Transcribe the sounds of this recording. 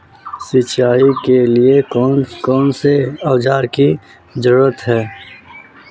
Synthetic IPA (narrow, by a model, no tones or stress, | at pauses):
sɪt͡ʃaːikelieɔːnkɔːnseawd͡ʒaːɾki | d͡ʒəɾuɾət̪ɦɛː